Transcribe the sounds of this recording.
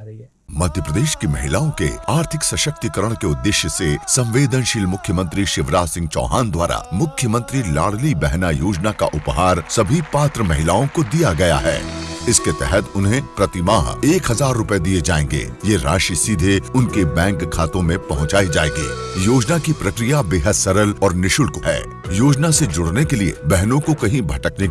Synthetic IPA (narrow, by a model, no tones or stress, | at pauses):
mɐd̪ʱjəpɾəd̪eːʃkemɐɦɪlaːõkḛaːɾt̪ʰɪksɐʃək̚t̪ikɐɾəɽ̃keʊd̪ːɪʃjəsesɐ̃mʋeːd̪ənʃɪlmʊkʰjəmə̃nt̪ɾiʃɪʋɾaːsɪ̃ŋɡt͡ʃɔ̰ːɦaːnd̪waːɾa̰mʊkʰjəmə̃nt̪ɾila̰ːɽlibɛɦnajoːd͡ʒnaka̰ʔʊpɦaːɾsɐbʱipaːt̪ɾəmɐɦɪlaːõkod̪ijaɡɐja̰ɦɛ̰ːɪsket̪ɛɦɛt̪ʊnɦẽpɾɐt̪ɪmaːɦeːkɦɐzaːɾːʊped̪ied͡ʒaːẽːŋɡḛːjeɾa̰ːʃisid̪ʱeʊnkebɛ̃ːŋkkʰːaːt̪õmẽpɐɦʊ̃t͡ʃaːid͡ʒaːẽːŋɡḭːjoːd͡ʒnakipɾɐkɾijabeːɦəd̪sɐɾəlɔːɾnɪʃʊlkoɦɛ̰ː | joːd͡ʒnased͡ʒʊɽnekeliḛbɛɦnõkokɐɦĩbʱɐʈəkne